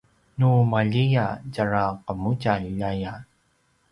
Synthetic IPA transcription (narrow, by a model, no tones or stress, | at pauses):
numaʎijaɟaɹaqəmucaaja